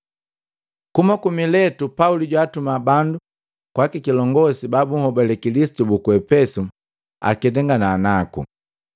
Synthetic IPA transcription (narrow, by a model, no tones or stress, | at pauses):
kumakumilɛtupauliɟwaːtumabandu | kwakikilɔŋɡɔsibabuŋ̩hɔbalɛkilisi̥tubukuɛpɛsu | a̰kidɛŋɡanaːnakṵ